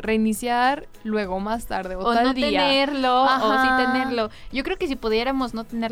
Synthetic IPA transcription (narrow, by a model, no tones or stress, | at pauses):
re̞inisjaɾ | lwe̞ɣ̞omast̪aɾðeoot̪anlod̪eiaeɾloaosit̪eneɾlo̞ɟ͡ʝo̞kɾe̞okes̬ipuðje̞ɾamo̞zno̞t̪ene̞ɾ